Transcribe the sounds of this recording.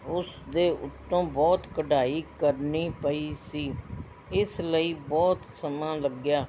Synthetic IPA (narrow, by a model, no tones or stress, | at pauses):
ʊsd̪eːʔʊt̪ːõːbɔːt̪kəɖaːiːkəɾniːpəiːsiː | ɪsləiːbɔːt̪səmãːləɡjaː